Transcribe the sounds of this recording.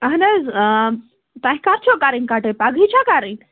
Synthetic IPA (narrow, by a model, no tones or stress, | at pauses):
aɦnəz | t̪aɦkaɾt͡ʃʰokaɾinkaʈəpaɡʱit͡ɕʰakaɾin